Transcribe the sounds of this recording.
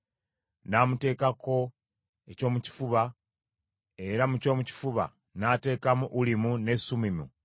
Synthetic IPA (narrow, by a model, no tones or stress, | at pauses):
namute̞ːkako̞ | e̞co̞ːmuci̥fuβa | e̞ɾamuco̞ːmuci̥fuβa̰ | nate̞ːkamuʔːlimune̞sumimṵ